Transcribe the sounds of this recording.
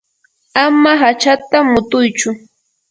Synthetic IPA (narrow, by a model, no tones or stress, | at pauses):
amaɦat͡ʃat̪amʊt̪ʊjt͡ʃʊ